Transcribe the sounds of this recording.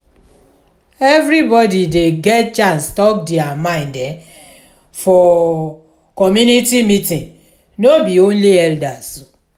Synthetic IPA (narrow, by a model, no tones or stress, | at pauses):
ɛvɾibɔdideɡɛt̚t͡ʃãnstɔk̚diamãɪ̃ndɛ | fɔ | kɔmjunitimitĩn | nobiõnliɛldaso